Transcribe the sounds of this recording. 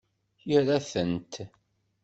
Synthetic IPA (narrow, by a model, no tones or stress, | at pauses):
jəɾæθənt̪